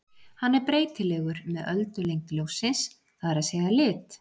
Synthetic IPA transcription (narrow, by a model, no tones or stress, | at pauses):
hanːɛɾpɾeːjt̪ɪlɛːɣʏɾmɛðœlt̪ʏlejŋkljowsɪns | θaðɛɾaðseːjðalɪːt̪